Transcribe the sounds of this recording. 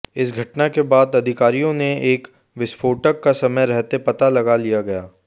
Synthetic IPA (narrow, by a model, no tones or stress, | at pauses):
ɪsɡʱɐʈnakebaːd̪ɐd̪ʱɪkaːɾijõneeːk | ʋɪsfʰoːʈəkːasɐməjɾɛɦt̪epɐt̪alɐɡalijaɡɐjaː